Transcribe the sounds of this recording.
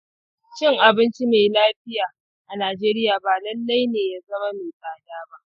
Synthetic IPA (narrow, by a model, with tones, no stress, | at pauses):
t͡ʃɪ˦ŋʔa˨bɪ˦nt͡ʃi˦meː˨laː˦ɸɪ˦jaː˨ | ʔa˨naː˨d͡ʒeː˦ɾɪ˦jaː˨baː˨lɐ˦lːa˦jneː˨ja˦zɐ˦ma˦meː˨saː˨daː˦ba˦ʔʔ